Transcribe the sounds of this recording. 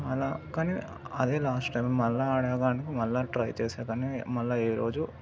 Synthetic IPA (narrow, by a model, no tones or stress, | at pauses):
ɐlːakaːni | ɐðeːlaːsʈʈɐjmmɐlːɐaːɽaːɣaːɳikːimɐlːɐʈɾɐjt͡ɕe̞ːsaːkaːnimɐlːɐeːɾo̞ːd͡ʒu